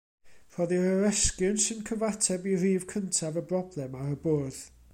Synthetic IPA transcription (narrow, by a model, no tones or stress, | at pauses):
r̥ɔðiɾəɾɛskjɨnsɪnkʰəvatʰɛbiriːv̥kʰəntʰavəbrɔblˠɛmaɾəboːð̥